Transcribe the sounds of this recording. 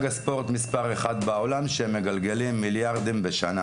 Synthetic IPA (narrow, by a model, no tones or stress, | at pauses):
ɡaspo̞ʁt̪mispaʁeχad̪bao̞lamʃeemːe̞ɡalɡe̞limːiljaʁd̪imbeʃana